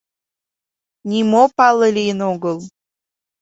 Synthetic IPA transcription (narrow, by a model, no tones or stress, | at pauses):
nʲimopɑlˠːəlʲiənoɡəlˠ